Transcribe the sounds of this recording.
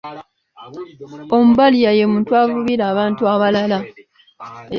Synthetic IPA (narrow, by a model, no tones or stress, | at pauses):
o̞mubalijaje̞mũːntuavuβiɾaːβaːntuaβalala